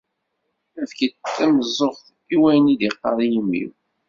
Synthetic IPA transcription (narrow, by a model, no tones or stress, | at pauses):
əfkiæməzˤːoχθ | iwæjəniðiqːɑ̰ɾˤijəmːḭw